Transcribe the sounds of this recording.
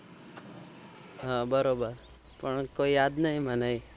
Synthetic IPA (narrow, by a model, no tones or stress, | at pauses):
ɦãbəɾobəɾ | pəɳkoijaːd̪nəɦĩmənaĩ